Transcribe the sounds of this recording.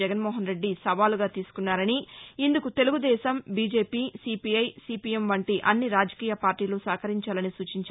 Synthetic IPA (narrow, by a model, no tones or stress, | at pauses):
ɛɡɐnmɔːɦɐnɾe̞ɖːisɐʋaːluɡaːt̪iːsu̥kunːaːɾɐniːnd̪ukut̪e̞luɡud̪ɛːʃɐmbiːd͡ʒeːpiːsipiɐjsiːpijemʋɐɳʈiʔɐnːiɾaːd͡ʒɐkiːjɐpaːɾʈiːloːsaːkɐɾiɲt͡ʃaːlɐnisuːt͡ʃiɲt͡ʃː